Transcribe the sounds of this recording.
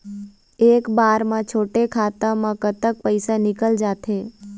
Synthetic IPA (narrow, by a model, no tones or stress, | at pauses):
eːkbaːɾmãt͡ʃʰoːʈekʰaːt̪ãmãkət̪ək̚pəɪsanɪkəld͡ʒaːt̪ʰẽː